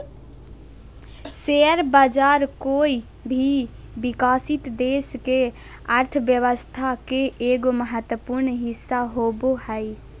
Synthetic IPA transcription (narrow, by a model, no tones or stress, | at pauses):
seəɾbad͡ʒaɾkoi | bʱi | bikaːsit̪d̪eske | əɾt̪ʰəʋjəʋəst̪ʰakeʔeɡoməɦət̪wəpuɾɳɦɪsːaɦobohəj